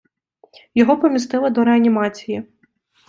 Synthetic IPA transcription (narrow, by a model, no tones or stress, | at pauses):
jɔɦɔpɔmʲist̪ɪlˠɪd̪ɔɾeɐnʲimɑt͡sʲiji